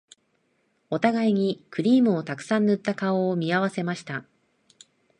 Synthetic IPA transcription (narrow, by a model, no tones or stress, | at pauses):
o̞t̪aɡaiɲ̟ikɯ̟ɾʲiːmɯ̟o̞t̪akɯ̟̥sãnnɯ̟t̪ːakaoːmʲiaβase̞maɕi̥t̪a